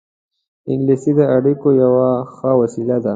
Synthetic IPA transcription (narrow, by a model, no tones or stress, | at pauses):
ɪŋɡlisid̪əaɽikojawaxəwasilad̪a